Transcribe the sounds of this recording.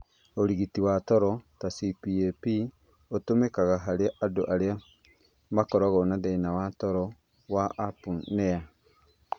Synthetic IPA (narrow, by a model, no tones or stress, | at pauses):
oɾiɣitiwatɔɾɔtasipiepi | otomekaɣaɦaɾeaʔado̰ʔaɾea | makɔɾɔɣɔnaðɛinawatɔɾɔ | waʔapunɛa